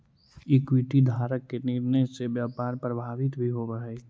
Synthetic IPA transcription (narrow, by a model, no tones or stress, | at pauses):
ɪkwiʈid̪ʱaːɾəkːeniɾnəjsebjaːpaːɾpɾəbʱaːʋɪt̪bʱiɦoʋəɦɛː